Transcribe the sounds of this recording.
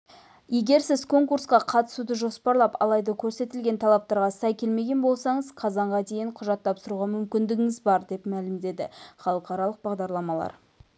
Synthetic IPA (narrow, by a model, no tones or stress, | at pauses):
je̞ɡʲe̞ɾsɪzkʰo̞ŋkuɾsqɑqʰɑt̪ə̥sud̪əʒo̞spɑɾlˠɑpɑ̰lˠɑjd̪ɑkʲʰɵɾse̞t̪ɪlɡʲe̞nt̪ʰɑlˠɑp̚t̪ɑɾʁɑsɑjkʲʰe̞lme̞ɡʲe̞nbo̞lˠsɑɴəzqʰɑzɑɴʁɑd̪e̞jɪɴqʰʊʒɑt̪ːɑpsəɾuʁɑmʏmkʲɪnd̪ɪɡʲɪŋɪzbɑɾd̪e̞pmælɪmd̪e̞d̪ɪχɑlˠəqɑɾɑlˠəq̚bɑʁd̪ɑɾlˠɑmɑlˠɑ̰ɾ